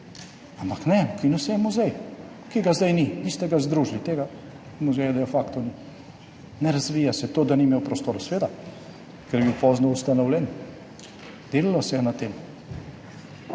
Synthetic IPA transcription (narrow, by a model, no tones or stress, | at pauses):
ampaknɛukinusɛjɛmuzɛj | kiɡazd̪ajninist̪ɛɡazd̪ɾuːʒlit̪eːɡa | muzɛjad̪ɛfakt̪ɔni | nɛɾazʋiːjasɛt̪od̪animewpɾɔst̪oːɾɔsʋeːd̪a | kɛɾjɛbiwpɔznɔust̪anɔwlʲɛn | d̪̥eːlilɔsɛjɛnat̪eːm